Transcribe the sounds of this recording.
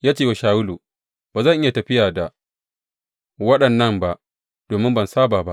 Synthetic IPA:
jaː˦t͡ʃeː˦˨wa˨ʃaː˨wʊ˦luː˨ | b̥aː˨zɐ˦˨ʔɪ˦ja˨tɐ˨ɸɪ˦jaː˨da˨ | wɐ˦ɗɐ˨nːɐ˦˨mba˨ʔ | d̥oː˨mɪ˦mbɐ˨nsaː˦baː˨ba˦ʔ

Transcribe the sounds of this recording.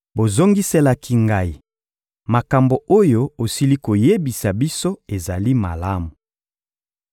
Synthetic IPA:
bo˨zo˦ŋɡi˦se˦la˨kʰi˦ŋɡa˦i˨ | ma˨ka˨mbo˨o˦jo˦o˨si˦li˦ko˨je˦bi˨sa˨bi˦so˦e˨za˨li˦ma̰˨la˦mu˨

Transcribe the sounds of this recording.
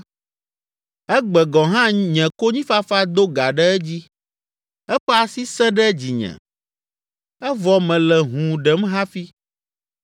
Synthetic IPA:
ɛ˦ɡ͡bɛ˨ɡɔ˨ɦã˦ɲɛ̃˨ko˦ɲĩ˦fa˦fa˦d̪o˦ɡa˨ɖɛ˦ɛ˦d͡ʑi˦ | ɛ˦ɸɛ˦a˨si˦sɛ̃˦ɖɛ˦d͡ʑi˨ɲɛ̰̃˨ | ɛ˦vɔ˨mɛ̃˨lɛ˨ɦũ˨ɖɛ˨mɦa˦fi˦

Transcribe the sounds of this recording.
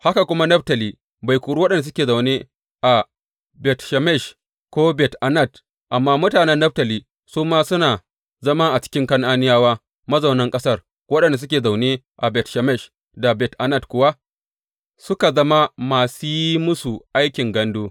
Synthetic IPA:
ha˦ka˨kʷʊ˦ma˦nɐ˦btɐ˨liː˦ | ba˨jkʷuː˨ɽu˦wɐ˦ɗɐ˨nda˨s̬ʊ˦kʲeː˨za˨wneː˦ | ʔa˨ | bɛ˨tʃɛ˨mɛ˦˨ʃ | kʷoː˦bɛ˨tʔa˨nɐ˦˨d | ʔa˨mːaː˦mʊ˦taː˨nɛ˦nːɐ˦b̚tɐ˨liː˦ | suː˦maː˦sʊ˦naː˨ | zɐ˦ma˦ʔa˨t͡ʃɪ̥˦kʲɪ˦ŋkɐ˦ŋʔa˦nɪ˦jaː˦waː˦ | mɐ˦zɐ˨wnɐ˦ŋkʼɐ˦sɐ˦˨r | wɐ˦ɗɐ˨nda˨s̬ʊ˦kʲeː˨za˨wneː˦ | ʔa˨bɛ˨tʃɐ˨mɛ˦˨ʃ | da˨bɛ˨tʔa˨nɐ˦˨tkʷʊ˦wa˦ | sʊ˦ka˨zɐ˦ma˦maː˨su˦ji˦mʊ˦su˨ʔa˦jkʲɪ˨ŋɡɐ˦ndoː˦

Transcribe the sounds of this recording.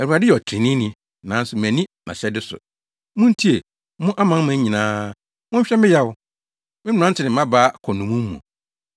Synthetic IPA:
æ˨u˨a˨dɪ˦ɛ˨ɔ˨tʰɾɪ̃˨nĩ˦nĩ˨ | nã̰ː˨˦n̩˦sʊ˨m˨æ̃˨nĩ˦nã̰˨ɕɛ˦dɪ˦sʊ̰˨ | mʊ̃˦n̩˦tʰi˦e˨ | mʊ̃˦ʔa˦mã˦mã˦ɲĩ˨nãː˦ | mʊ̃˦ɲ̩˦ɕᶣɛ˦mɪ̃˦jɛ˦wʊ˨ | mɪ̃˦m˨ã˦n˦tʰɪ˨nɪ̃˨m˦ã˦baː˦kʰɔ˨nũ˨mũ˦mː˦ṵ̃˨

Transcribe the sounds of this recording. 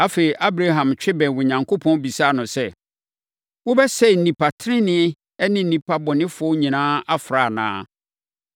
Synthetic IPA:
a˦fe˨i˨ʔa˦bɾa˦ɦã˨mt͡ɕᶣɪ˦bɛ̃˨wʊ˨ɲã˨ŋkʰo˦pʰɔ̃˦n˦bi˨saː˦˨nʊ̃˨sɛ˦˨ | wʊ˦bɛ˦sɛ˦n̩˨nĩ˨pʰa˨tʰɪ˦ɾɪ̃˦nɪ̃˦ | ɛ˦nɪ̃˦n̩˦nĩ˨pʰa˦bɔ˨nɪ̃˦fʊ˨˦ɔ˦ɲĩ˨nãː˦a˦fɾa˨nã̰ː˦

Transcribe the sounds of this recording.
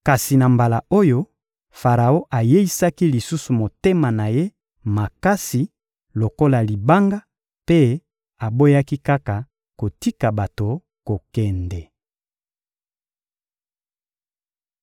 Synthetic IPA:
ka˨si˨na˨mba˨la˨o˦jo˦ | fa˨ʁa˨o˦ʔa˨je˦i˦sa˦ki˦li˨su˦su˨mo˨te˦ma˨na˨je˦ | ma˨ka˦si˨ | lo˨ko˦la˨li˨ba˦ŋɡa˦ | pe˦ | a˨bo˦ja˦ki˦ka˦ka˨ | ko˨ti˦ka˨ba˨to˨ | ko˨kɛ˨ndɛ˨

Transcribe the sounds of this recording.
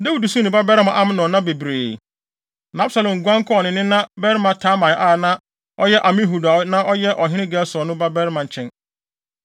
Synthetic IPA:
da˦wu˨du˨sũ˦nɪ̃˨ba˦bɛ˦ɾɪ˦mã˨ʔa˦m̃˦nɔ̃˨nã˦be˨bɾeː˨ | nã˦bsa˨lɔ̃˨ŋ˨ɡʷã˦ŋ˦kʰɔ˨nɪ̃˨nɪ̃˦nã˦bɛ˦ɾmã˨tʰaː˨˦mã˨˦ʔa˦˨nã˦ | ɔ˦jɛ˦ʔa˨mɪ̃˦ɦu˨da˨˦nã˦ʔɔ˦jɛ˦ʔɔ˨ɦɪ̃˦ɪ̃˦ɡɛ˦lsɔ˨nʊ̃˦ba˦bɛ˦ɾmã˨ɲ˨t͡ɕʰɛ̃˦n

